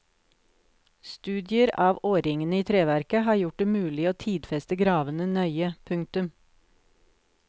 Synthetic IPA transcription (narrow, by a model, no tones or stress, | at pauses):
st̪ʉːd̪ɪəɾʔɑːʋoːɾɪŋənəiːt̪ʰɾeːʋæɾkəhɑːɾjʊʈ̚ɖ̪eːmʉːlɪoːt̪ʰiːd̪fɛst̪əɡɾɑːʋənənœʏəpʰʉŋt̪ʉm